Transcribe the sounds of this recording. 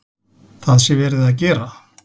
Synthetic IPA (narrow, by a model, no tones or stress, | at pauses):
θaðsjɛvɛːɾɪðaðc̬ɛːɾa